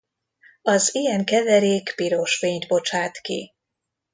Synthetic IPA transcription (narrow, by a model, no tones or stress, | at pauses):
ɒzijɛŋkɛvɛɾeːkpiɾo̞ʃfeːɲt̪bo̞t͡ʃaːt̪kḭ